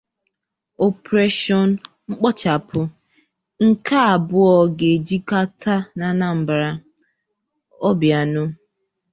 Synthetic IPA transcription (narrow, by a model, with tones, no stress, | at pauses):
o˨pɾe˦ʃɔ˦n̩˦ | ŋ͡m̩˦k͡pɔ˦t͡ʃa˨pʰʊ˦ | ŋ̩˦ka˦a˨bʊ˦ɔ˨ɡe˨d͡ʒi˦ka˦tʰa˦na˨na˦m̩˨bɾa˦ | ɔ˦bja˨nʊ˦